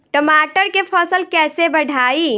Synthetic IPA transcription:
ʈəmaʈəɾkepʰɔsəlkɛːsebəɽʱaːi

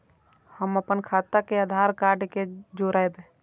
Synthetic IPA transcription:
həməpənkʰaːt̪akead̪ʱaːɾkaːɾɖked͡ʒoɾaebẽ

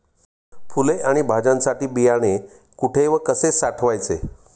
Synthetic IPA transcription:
fuleaɽ̃ibʱad͡zãnsaʈiːbijaɽ̃e | kuʈʰeʋəkəsesaʈʰʋajt͡sḛ

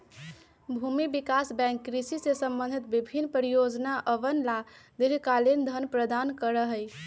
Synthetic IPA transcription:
bʱumibikasbɛ̃ŋkːɾisisesəmbə̃nd̪ʱit̪̚bibʱinːpɾijod͡ʒnaʔəʋənlad̪iɾkalend̪ʱənpɾəd̪ankəɾəɦəj

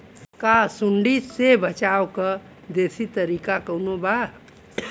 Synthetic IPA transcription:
kasuɳɖisebət͡ʃawkə | d̪esit̪əɾikakəwnoba

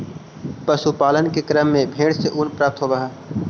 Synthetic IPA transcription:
pəsupaːlənkekɾəmːẽbʱeːɽseʔʊnpɾaːp̚t̪ɦoːbɐɦaː

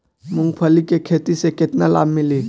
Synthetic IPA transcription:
mʊ̃ŋɡpʰəlikekʰeːt̪isekɪt̪nala̰ːbmɪli

